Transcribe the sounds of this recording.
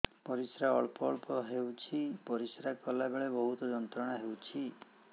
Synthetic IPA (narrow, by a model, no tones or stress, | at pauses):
pɔɾisɾaɔɭpɔːɭpɔɦewt͡ʃʰipɔɾisɾakɔlabeɭebɔɦut̪ɔd͡ʒɔnt̪ɾɔɽ̃aɦewt͡ʃʰi